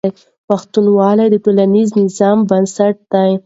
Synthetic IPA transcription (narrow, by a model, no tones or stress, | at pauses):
j | paxt̪unwɑlajd̪əʈulaniznɪzɑmbansaʈ̚d̪aj